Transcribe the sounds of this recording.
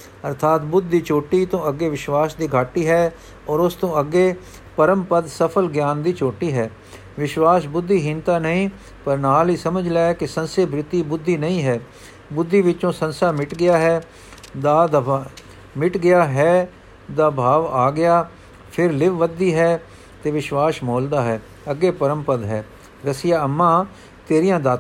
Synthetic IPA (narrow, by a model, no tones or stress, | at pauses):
əɾt̪ʰaːt̪bʊd̪ːiːt͡ʃoːʈiːt̪õːəɡːeːʋɪʃwaːsd̪iːɡʱaːʈiːɦɛː | ɔːɾʊst̪õːəɡːeː | pəɾəmpəd̪səpʰəlɡjaːnd̪iːt͡ʃoːʈiːɦɛː | ʋɪʃwaːsbʊd̪ʱːiːɦĩnt̪aːnəɦĩː | pəɾnaːliːsəməd͡ʒlaːekɪsənseːbɾɪt̪iːbʊd̪ʱːiːnəĩːɦɛː | bʊd̪ːiːʋɪt͡ʃõːsə̃nsaːmɪʈɡɪjaːɦɛː | d̪aːd̪ | mɪʈɡɪjaːɦɛː | d̪aːbʱaːʋaːɡɪjaː | pʰɪɾlɪʋʋəd̪iːɦɛː | t̪eːʋɪʃwaːsmoːld̪aːɦɛː | əɡːeːpəɾəmpəd̪ɦɛː | ɾəsijaːəmːãː | t̪eːɾijãːd̪aː